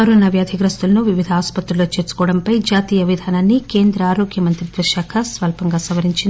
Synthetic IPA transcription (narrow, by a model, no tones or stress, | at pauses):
ɐɾoːnaʋjaːd̪ʱiɡɾɐst̪ulɐnuʋiʋid̪ʱɐaːspɐt̪ɾuloːt͡ʃe̞ːɾt͡ʃu̥kɔːɐɽɐmpɐjd͡ʒaːt̪iːjɐʋid̪ʱaːnaːnːike̞ːnd̪ɾɐaːɾoːkjɐmɐnt̪ɾid̪ʋɐɾʃaːkʰɐsʋɐlpɐŋɡaːsɐʋɐɾiɲt͡ʃin